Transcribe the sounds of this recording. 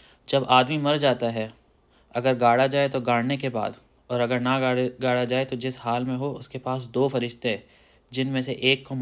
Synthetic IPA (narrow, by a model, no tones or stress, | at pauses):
d͡ʒɐbaːd̪mimɐɾd͡ʒaːt̪aɦɛ | ɐɡəɾɡaːɽad͡ʒaːet̪oɡaːɽnekeba̰ːd̪ | ɔːɾɐɡəɾnaɡaːɽad͡ʒaːet̪od͡ʒɪshaːlmẽɦoʊskepaːs̬d̪oːfɐɾɪʃt̪ẽ | d͡ʒɪnmẽseʔeːkːo